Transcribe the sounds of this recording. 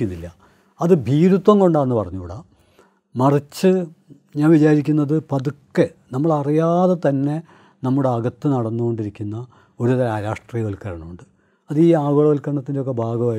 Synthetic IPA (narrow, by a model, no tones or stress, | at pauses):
unːilːɐ | ɐðɨbʱiːɾut̪ːwɐŋko̞ɳɖaːenːɨpɐrɐɲːuuːɽa | mɐrit͡ɕːɨ | ɲaːnʋit͡ɕaːɾikʲːunːɐðɨpɐðukːenɐmːɐɭɐrijaːðɐt̪ɐnːe̞ | nɐmːuɽeɐɡɐt̪ːɨnɐɽɐnːuɣo̞ɳɖiɾikʲːunːɐ | o̞ɾuðɐaːɾaːʂʈriːjɐʋolkɐɾɐɳɐmuɳɖɨ | ɐðiːaːɡoːɭɐʋɐlkɐɾɐɳɐt̪ːindeo̞k̬ːe̞bʱaːɡɐʋa